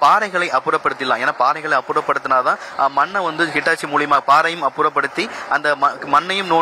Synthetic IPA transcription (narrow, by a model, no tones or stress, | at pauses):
paːɾɐɪɣɐɭɐɪʔɐpːɯɾɐpːɐɽɯt̪ːɪlːãːeːnːaːpaːɾɐɪɣɐɭɐɪɐpːɯɾɐpːɐɽɯt̪ːɯnaːɐt̪ãːmɐnːɐʋɐnd̪ɯkɪʈːaːt͡ʃːimuːɭɪjɐmaːɣɐpaːɾɐjɯmɐpːɯɾɐpːɐɽɯt̪ːiʔɐnd̪ɐmɐmɐnːɐjɯmnoː